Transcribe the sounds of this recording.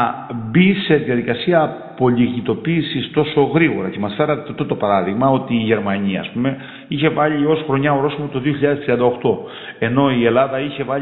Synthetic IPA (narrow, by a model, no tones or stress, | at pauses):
bise̞ðiɐðikɐsiɐː | po̞ʎiɣit̪o̞piːsist̪o̞so̞ɣɾiɣo̞ɾɐce̞mɐsfe̞ɾɐt̪t̪ot̪o̞pɐɾɐðiɣmɐo̞t̪iːʝe̞ɾmɐɲiɐ̰ːspume̞ | içe̞vɐʎio̞sxɾo̞ɲɐoɾo̞simot̪o̞ðio̞çiʎɐðest̪ɾiɐnd̪ɐo̞xt̪o̞ | e̞no̞ie̞lɐðɐiçe̞vɐ